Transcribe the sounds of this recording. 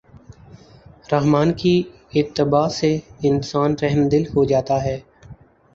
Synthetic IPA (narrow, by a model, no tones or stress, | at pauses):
ɾəɦmaːnki | ɪt̪ːɪbaːseɪnsaːnɾɛɦmd̪ɪlɦod͡ʒaːt̪aɦɛː